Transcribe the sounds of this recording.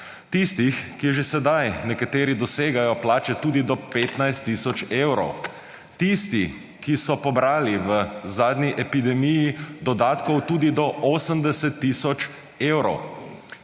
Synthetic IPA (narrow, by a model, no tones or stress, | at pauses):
t̪ist̪ixkiʒesɛd̪ajnɛkat̪eːɾid̪ɔseːɡajɔplaːt͡ʃɛt̪uːd̪id̪ɔpeːt̪najst̪ːiːsɔt͡ʃewɾɔ̰w | t̪ist̪i | kisɔpɔbɾaːliʋəzaːd̪niʔɛpid̪ɛmijid̪ɔd̪aːt̪kɔwt̪ud̪id̪ɔʔoːsəmd̪ɛsɛt̪ːisɔt͡ʃ | eːwɾɔw